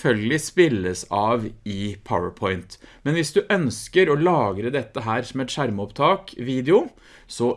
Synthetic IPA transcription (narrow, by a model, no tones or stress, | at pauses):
fœlɡlɪspɪlːəsɑːʋɪpʰa̰ə̰pʰɔʏnt̪mɛnʋɪsd̪ʉʔœnskəɾɔlɑːɡɾəd̪ɛt̪ːəɦæːɾsɔmɛt̪ʂæɾməɔpt̪ʰɑːkʋiːd̪ɛʊ | sɔ